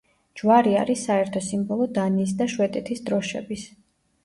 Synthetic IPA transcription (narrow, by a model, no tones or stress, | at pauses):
d͡ʒwaɾia̰ɾisːaɛɾt̪ʰɔsimbɔlˠɔd̪aniːs̬d̪aʃwɛt̪ʼɛt̪ʰisd̪ɾɔʃɛ̰bis